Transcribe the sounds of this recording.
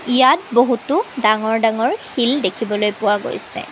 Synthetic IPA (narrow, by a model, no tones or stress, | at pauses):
ijat̚boɦutʊdaŋɔɹdaŋɔɹxildekʰibɔlojpʊwaɡo̰jsɛ̰